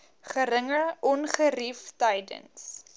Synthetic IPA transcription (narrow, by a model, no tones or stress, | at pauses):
χəɾəŋəʔɔnχəriftɐjdə̰ns